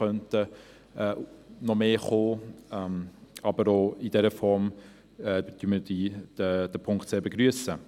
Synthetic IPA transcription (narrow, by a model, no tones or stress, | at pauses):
œntə | ɛːnɔmeːχoːɛmɑbəɾoid̥ɛɾəfɔɾm | ɛːt̪ymədid̥əd̥əpʰʊŋktseːbəɡɾyəsə